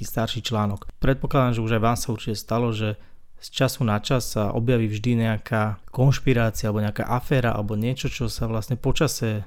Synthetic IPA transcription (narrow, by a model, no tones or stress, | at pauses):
iːst̪aɾʃiːt͡ʃlaːnɔkpɾɛt̪̚pɔklad̪aːmʒɛuʒajʋaːmsauɾt͡ʃicɛst̪alɔʒɛ | st͡ʃasunat͡ʃasːaʔɔ̰bjaʋiːvʒd̪iɲɛakʰaːkɔnʃpiɾaːt͡sialɛbɔɲɛaka̰ːʔafɛːɾaʔa̰lɛbɔɲɪɛt͡ʃɔt͡ʃɔsaʋlastɲɛpɔt͡ʃasɛ